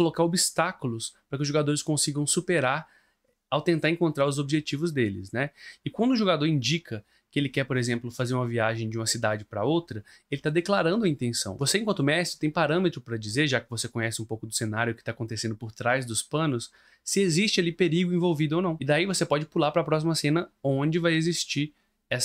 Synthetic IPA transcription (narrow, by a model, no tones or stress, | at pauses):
olokaɾobist̪akʊlʊspɾɐkɪʊzʒoɡad̪oɾɪskõsiɡɐ̃w̃supeɾaɾ | awt̪ẽnt̪aɾẽŋkõnt̪ɾaɾʊzobiʒet͡ʃivʊzd̪elɪ̰snɛɪkwɐ̃nd̪ʊʒoɡad̪oɾĩd͡ʒikɐ | kɪelɪkɛɾpoɾezẽmplʊfazeɾũmɐviaʒẽj̃d͡ʒɪũmɐsid̪ad͡ʒɪpɾɐ̰owt̪ɾɐ | elɪt̪ad̪eklaɾɐ̃nd̪ʊɐĩnt̪ẽsɐ̰̃w̃vosẽkwɐ̃nt̪ʊmɛsʊt̪ẽj̃paɾɐ̃met̪ɾʊpɾɐd͡ʒizeɾʒakɪvosekõɲɛsɪũpowkʊd̪ʊsenaɾjʊkɪ̥t̪akõnt̪esẽd̪ʊpoɾt̪ɾajzd̪ʊspɐ̃nʊs | sɪezist͡ʃɪalipeɾiɡʊĩvowvid̪ʊownɐ̃w̃ɪd̪aivosepɔd͡ʒɪpulaɾpɾɐpɾɔs̬imɐsẽnɐõd͡ʒɪvajezist͡ʃiɾ | ɛs